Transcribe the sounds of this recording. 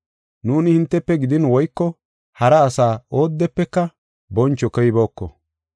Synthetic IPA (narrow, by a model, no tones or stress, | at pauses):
nuːnɪhɪnt̪ːɛpːɛɡɪd̪ɪnwɔjkːɔ | hɐɾɐːsaːo̞ːd̪ːɛpːɛkːɐ | bɔnt͡ʃːɔkɔjbo̞ːkːɔ